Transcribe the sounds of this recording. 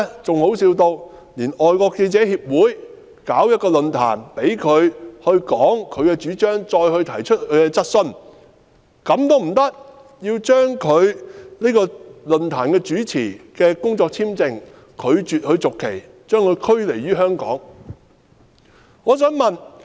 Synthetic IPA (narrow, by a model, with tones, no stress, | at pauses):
t͡sʊ˨ŋho˨˥wsiː˧wt̪o˧w | liː˨˩nɔː˨jkɔː˧ke˧t͡sɛː˨˥hiː˧p̚wuː˨˥j | kaː˨˥wjɐ˥t̚kːɔː˧lɵ˨nt̪ʰa̰ː˨˩npe˨˥jkʰɵ˨˧ɥhɵ˧ɥkɔː˨˥ŋkʰɵ˨˧ɥkɛː˧t͡ʃyː˨˥t͡ʃœː˥ŋt͡ʃɔː˧jhɵ˧ɥt̪ʰɐ˨˩jt͡ʃʰɵ˥t̚kʰɵ˨˧kɛ˧t͡sɐ˥t̚sɵ˥n | kɐ˨˥mt̪o˥wm̩˨˩t̪ɐ˥k̚ | jiː˧wt͡ʃœː˥ŋkʰɵ˨˧ɥniː˥kɔː˧lɵ˨nt̪ʰaː˨˩nkɛː˧t͡ʃyː˨˥t͡sʰiː˨˩kɛː˧kʊ˥ŋt͡sɔː˧k̚t͡sʰiː˥mt͡sɪ˨ŋ | kʰɵ˨˧ɥt͡ʃyː˨t̚hɵ˧ɥt͡sʊ˨kʰːe˨˩j | t͡ʃœː˥ŋkʰɵ˨˧ɥkʰɵ˥ɥle˨˩jɥyː˥ɦœː˥ŋkɔ̰ː˨˥ŋ | ŋɔː˨˧sœː˨˥ŋmɐ˨n